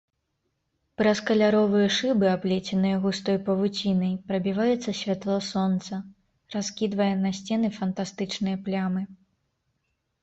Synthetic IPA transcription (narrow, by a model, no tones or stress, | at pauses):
pɾɐskɐlʲaɾɔvɨjɐʂɨbɨaplʲɛt͡sʲɛnɨjɐɣust̪ɔjpɐvut͡sʲinɐjpɾɐbʲivajɛt̪sːɐsʲvʲat̪lˠɔsɔnt̪sɐ | raskʲid̪vɐjɛnɐsʲt͡sʲɛnɨfɐnt̪ast̪ɨt͡ʂnɨjɐplʲamɨ